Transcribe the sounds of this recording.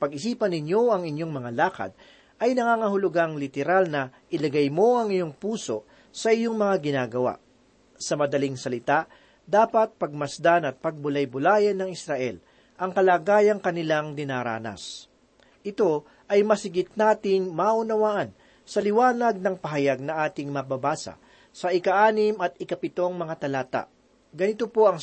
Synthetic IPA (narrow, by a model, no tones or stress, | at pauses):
pɐɡɪsiːpɐnːɪɲjo̞ɐŋɪɲjo̞ŋmɐŋalaːkɐ̰d̪̚ | ʔɐjnɐŋaːŋɐɦʊlʊɡaŋlɪt̪ɛɾalnɐʔɪlɐɡajmo̞ʔɐŋɪjo̞ŋpuːso̞ | sɐʔɪjo̞ŋmɐŋaɡɪnaːɡɐwa̰ʔ | sɐmɐd̪ɐlɪŋsɐlɪt̪aʔ | d̪aːpɐt̪̚pɐɡ̚mɐsd̪anɐt̪̚pɐɡ̚bʊlajbʊlaːjɐnɐŋɪsɾɐʔɛl | ʔɐŋkɐlaːɡaːjɐŋkɐnɪlaŋd̪ɪnaːɾa̰ːnɐ̰s | ʔɪt̪o̞ | ʔɐjmɐsɪɡɪt̪̚naːt̪ɪŋmaːʔʊnɐwaːʔɐn | sɐlɪwaːnɐɡ̚nɐŋpɐɦɐjaɡ̚nɐʔaːt̪ɪŋmɐbabaːsɐ̰ | sɐɪkɐʔaːnɪmɐt̪̚ɪkɐpɪt̪o̞ŋmɐŋat̪ɐlaːt̪a̰ʔ | ɡɐnɪt̪opo̞ɐŋ